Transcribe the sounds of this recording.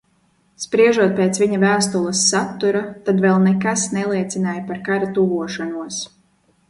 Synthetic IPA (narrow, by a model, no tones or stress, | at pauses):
spɾiɛʒuɔt̪̚peːt̪sviɲavæːst̪ulˠɐsːat̪ːuɾat̪ad̪vɛlˠnekasnɛlˠiɛt̪sinaːjpaɾkaɾat̪uɡuɔʃanuɔs